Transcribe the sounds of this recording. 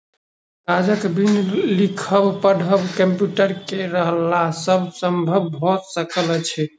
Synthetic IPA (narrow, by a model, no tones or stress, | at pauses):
ɡad͡ʒəkbʱinlikʰəbpəɽʱəbkəmpjuʈəɾkeɾəɦəlasəbʱsəmbʱəbɦosəkəlt͡ʃʰɛ